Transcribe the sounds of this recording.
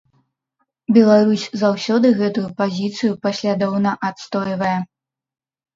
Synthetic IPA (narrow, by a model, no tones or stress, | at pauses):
bʲɛlˠaɾusʲzawsʲɔd̪ɨɣɛt̪ujupazʲit̪sɨjupɐsʲlʲad̪ɔwnɐʔat̪st̪ɔjvɐjɛ